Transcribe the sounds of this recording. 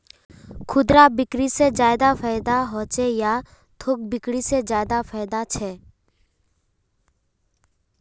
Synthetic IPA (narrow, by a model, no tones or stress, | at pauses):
kʰʊd̪ɾabɪkɾised͡ʒaːɪd̪afʰaːɪd̪aɦoːt͡ʃeja | t̪ʰok̚bɪkɽised͡ʒaːɪd̪afaːɪd̪at͡ʃʰɛː